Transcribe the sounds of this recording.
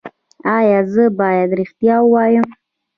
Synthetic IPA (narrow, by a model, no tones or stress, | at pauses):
ɑjɑzəbɑjad̪ɾɪxt̪jɑwəwɑjəm